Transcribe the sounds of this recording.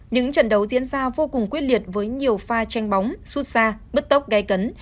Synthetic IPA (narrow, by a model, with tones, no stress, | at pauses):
ɲɨ̰˧˥ŋt͡ɕə̰˧˨nɗə˨˦wzḭ˧˥ənzaː˧vo˧kʊ˨˩ŋkwi˦˥ət̚li˨˩ət̚vəː˨˦jɲi˨˩əwfaː˧t͡ɕa˧jŋ̟ɓa˨˦wŋ͡msu˦˥t̚saː˧ɓə˦˥t̚t̪ə˦˥wk͡p̚ɣa˨˧˦jkə˨˦n